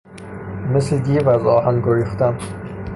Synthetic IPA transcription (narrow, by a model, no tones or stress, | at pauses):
mesled̪iːvæzɒːhænɡoɾixt̪æm